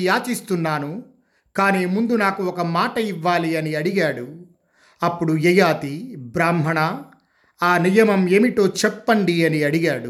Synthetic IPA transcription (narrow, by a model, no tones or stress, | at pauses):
jaːt͡ʃist̪unːaːnu | kaːniːmund̪unaːkuɔkɐmaːʈɐiʋːaːliɐniɐɽiɡaːɽu | ɐpːuɽujɐjaːt̪ibɾaːmɦɐɳɐ | aːnijɐmɐme̞ːmiʈo̞ːt͡ʃɛpːɐɳɖiɐniɐɽiɡaːɽu